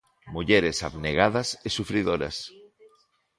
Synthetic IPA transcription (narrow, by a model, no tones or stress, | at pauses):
muʎeɾesaβneɣaðɐsesufɾiðoɾa̰s